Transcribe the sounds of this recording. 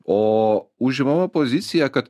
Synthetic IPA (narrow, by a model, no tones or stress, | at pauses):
ouʒɛmamapozit̪sijakat̪